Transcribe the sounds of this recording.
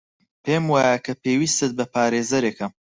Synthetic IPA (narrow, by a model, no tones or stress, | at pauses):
pemwaːjɐkʰɐpeːwiːst̪ɨt̪̚bɐpaːɾeːzɐɾekɐm